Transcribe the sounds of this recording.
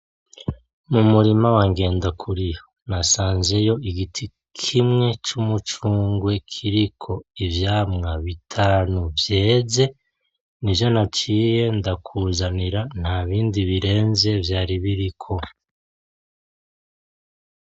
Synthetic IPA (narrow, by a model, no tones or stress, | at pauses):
mumuɾimawaŋɡe̞ːndakʰuɾijonasaːnze̞jo̞iɡitʰi | kʰimŋe̞t͡ʃumut͡ʃuːŋɡwe̞kʰiɾikʰo̞ivjaːmŋaβitʰaːnuvje̞ːze̞ | nivjo̞nat͡ʃiːje̞ndakʰuzaniɾan̥haβiːndiβiɾe̞ːnze̞vjaːɾiβiɾikʰo̞